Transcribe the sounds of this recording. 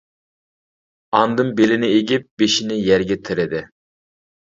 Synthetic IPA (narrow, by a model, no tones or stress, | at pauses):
ɑnd̪ɨmbelɪnɪeɡʲɪp̚b̥eʃinɪjæɾɡʲɛt̪ʰɪɾɪd̪ɪ